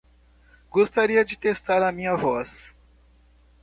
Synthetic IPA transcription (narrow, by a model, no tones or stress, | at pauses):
ɡost̪aɾiɐd͡ʒɪt̪est̪aɾɐmĩɲɐvɔs